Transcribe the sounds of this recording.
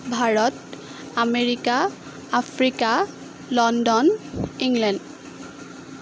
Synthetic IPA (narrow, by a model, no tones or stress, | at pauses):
bʱaɹɔt | ameɹikaː | pʰɹika | lɔndɔniŋlɛnd